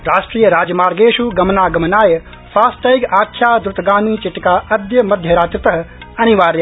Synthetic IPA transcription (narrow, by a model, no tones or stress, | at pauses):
ɾaːʃʈɾiːjəɾaːd͡ʒɐmaːɾɡeːʃuɡɐmnaːɡɐmɐnaːjɐ | faːst̪ɐikaːkʰjaːd̪ɾʊt̪ɐɡaːmiːt͡ʃɪʈkaːɐd̪jɐmɐd̪ʱjɐɾaːt̪ɾɪt̪ɐɦɐ | ɐniʋaːɾj